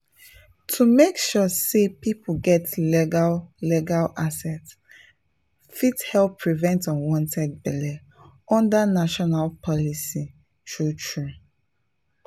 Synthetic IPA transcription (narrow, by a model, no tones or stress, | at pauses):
tʰumekʃɔsepipʰuɡɛtlɛɡalɛɡalasɛt | fithɛlpʰːɹivɛ̃ntɔ̃nwɔ̃ntʰɛd̚bɛlɛ | ɔ̃ndanaʃɔnalpʰɔlisi | tʰɹutʰɹu